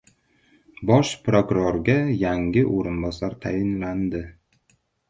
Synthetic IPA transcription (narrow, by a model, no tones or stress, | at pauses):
bɒʃpʰɾokʉɾoɾɡajæŋɡɪʔoɾʊnbɑsɑɾt̪ʰæjɪnland̪ɪ